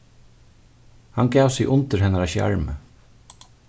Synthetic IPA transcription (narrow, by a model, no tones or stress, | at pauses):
hanɡaːwsɪɣʔʊnt̪ɪɾhɛnaɾaʃja̰ɹmə̰